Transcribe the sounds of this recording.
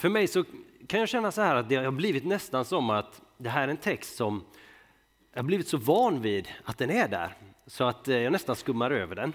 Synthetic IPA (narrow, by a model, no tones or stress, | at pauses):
fœɾmɛjsɔkʰanjɑːɕɛnːasɔhæːɾat̪̚d̪ɛhabliːvɪt̪nɛst̪ansɔmːat̪d̪ɛɦæːɾɾɛnt̪ʰɛkst̪sɔm | jɑhabliːvɪt̪sɔvɑːnviːd̪at̪̚d̪ɛnæɖæ̰ːɾsɔat̪jɑːnɛst̪anskɵmːaɾøːvəɖɛn